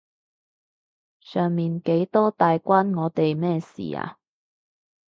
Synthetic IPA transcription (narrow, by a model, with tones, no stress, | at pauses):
sœː˨ŋmiː˨nke˨˥jt̪ɔː˥t̪aː˨jkʷaː˥nŋɔː˨˧˥t̪e˨jmɛː˥sḭː˨˩a̰ː˧